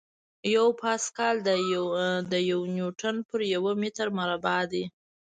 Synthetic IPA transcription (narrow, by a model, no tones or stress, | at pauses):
jawpʰɑskɑld̪ə | d̪əjawnjuʈənpəɾjawəmet̪aɾmaɾabɑd̪e